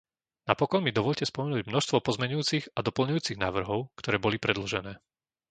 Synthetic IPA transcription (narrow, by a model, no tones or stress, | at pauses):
napɔkɔnmid̪ɔʋɔʎcɛspɔmɛnuːɟmnɔʃst̪ʋɔpɔzmɛɲujuːt͡siɣad̪ɔpl̩ɲujuːt͡siɣnaːʋr̩ɦɔʊkt̪ɔɾɛːbɔlipɾɛd̪l̩ʒɛnɛː